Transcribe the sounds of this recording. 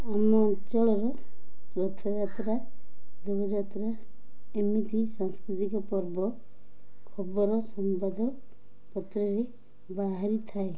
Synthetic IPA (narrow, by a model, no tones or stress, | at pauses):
amɔt͡ʃɔɭɔɾɔ | pɾɔt̪ʰɔd͡ʒat̪ɾad̪uɡɔd͡ʒat̪ɾa | emit̪isaŋskɾit̪ikɔpɔɾbɔ | kʰɔbɔɾɔsɔmpad̪ʱɔ | pɔt̪ɾɔɾe | baɦaɾit̪ʰae